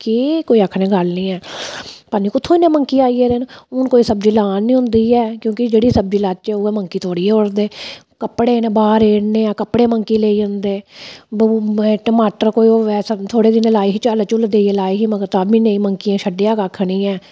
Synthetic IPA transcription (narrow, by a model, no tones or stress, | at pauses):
kikoːiːəkʰnẽːɡəlnĩːɛːpənĩːkʊt̪ʰõnẽːməŋkiːaːiɛːd̪enʊnkoːiːsəb̚d͡ʒiːlaːnːĩːɦʊ̃nd̪iːɛːkjõːkɪd͡ʒeːɽiːsəb̚d͡ʒiːlaːt̪̚t͡ʃɛːoːɛməŋkiːt̪ʰoːɽiːɛːoɽd̪eː | kəpɽeːnːbaːɾeːɽneːãːkəpːɽeːməŋkiːleːiːə̃nd̪eː | ʈəmaːʈəɾkoːiːoːɛːst̪ʰoːɽeːd̪ɪneːlaːiːɦiːt͡ʃaːlt͡ʃʊld̪eːieːlaːiːɦiːməɡət̪aːbiːnẽĩːməŋkiãːʃəɖejaːkakʰnĩːɛː